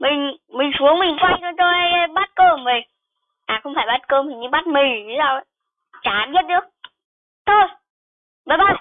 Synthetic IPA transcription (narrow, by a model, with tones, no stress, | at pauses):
mï˨˩ŋ̟mï˨˩ŋ̟su˨˦əŋmï˨˩ŋkwa˧jtɔ˧˦t͡ɕɔ˧ʔa˧jɓaː˦˥t̚kəː˧˩mvə˨˩j | ʔaː˨˩xə˧wŋ͡mfaː˧˩jɓaː˦˥t̚kəː˧mi˨˩ɲɨ˧ɓaː˦˥t̚mi˨˩ŋtʰi˨˦zaː˧˩w | t͡ɕaː˨˦mzi˦˥t̚ɗɨ˧˦ə | t̪ʰo˧˩j | ɓəː˨˩jɓaː˦˥t̚